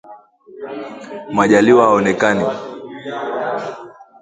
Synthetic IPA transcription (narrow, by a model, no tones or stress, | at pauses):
maʄaliwaaɔnɛkani